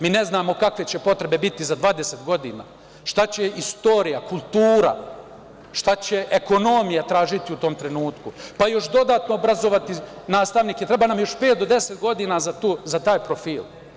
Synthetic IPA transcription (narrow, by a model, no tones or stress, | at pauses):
miːne̞znaːmo̞kakʋe̞t͡ɕe̞po̞t̪ɾe̞be̞bit̪izad̪ʋaːd̪ese̞t̪ɡo̞d̪ḭːna̰ː | ʃt̪at͡ɕe̞ist̪o̞ːɾijakulˠt̪uːɾa̰ | ʃt̪at͡ɕe̞ʔeko̞nomijat̪ɾaːʒit̪iut̪o̞mt̪ɾe̞nuːt̪kupajo̞ʃd̪o̞d̪aːt̪no̞obɾazoʋat̪i | naːst̪aʋniːkjet̪ɾebaːnamjo̞ʃpeːt̪̚d̪o̞d̪e̞set̪ɡo̞d̪iːnazat̪uːzat̪aːjpɾo̞fiːl